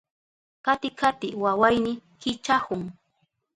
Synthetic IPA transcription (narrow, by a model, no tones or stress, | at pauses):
kat̪ɪkʰat̪ɪwawajnɪkɪt͡ʃahʊŋ